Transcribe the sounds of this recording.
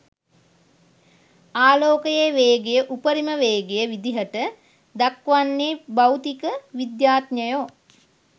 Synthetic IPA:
aːloːkəjeːʋeːɡejəʔupəɾiməʋeːɡejəʋid̪iɦəʈə | d̪akʋanːeːbawt̪ikəʋid̪jaːt̪ɲəjo

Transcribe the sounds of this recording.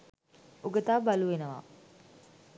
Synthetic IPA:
uɡət̪aːbaluʋenəʋa̰

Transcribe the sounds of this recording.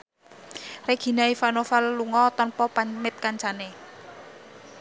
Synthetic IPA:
reɡ̥i̤naifanofalːuŋɔt̪ɔnpɔpamɪt̪̚kaɲt͡ʃane

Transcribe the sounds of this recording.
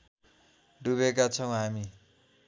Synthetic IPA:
ɖuβekat͡sʰʌw̃ɦami

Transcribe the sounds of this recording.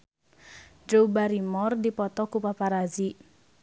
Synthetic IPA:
dɾobaɾimɔrd̪ipɔt̪ɔkupapaɾazi

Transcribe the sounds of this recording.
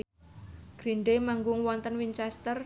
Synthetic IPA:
ɡ̥ɾinɖemaŋɡʊŋwɔnt̪ənwint͡ʃɛst̪ər

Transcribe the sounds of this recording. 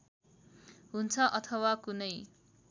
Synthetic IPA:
ɦunt͡sʰʌʔʌt̪ʰʌwakunʌj

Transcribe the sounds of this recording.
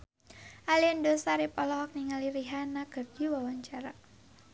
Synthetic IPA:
ʔaliəndosaɾipɔlɔɦɔk̚niŋaliɾiɦanaɡ̥ərd͡ʒiwawaɲt͡ʃaɾa

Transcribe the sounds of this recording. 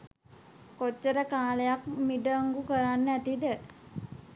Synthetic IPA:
kot͡ʃːəɾəkaːlejak̚miɖəŋɡukəɾanːæt̪id̪ə

